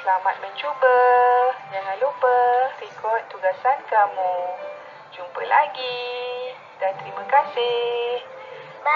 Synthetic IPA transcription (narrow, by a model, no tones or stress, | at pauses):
slamat̪̚mə̃ɲt͡ʃubə | d͡ʒaŋãnlupərekɔt̚t̪ːuɡasankamu | d͡ʒumpəlaɡi | dant̪ɾimãkasɪh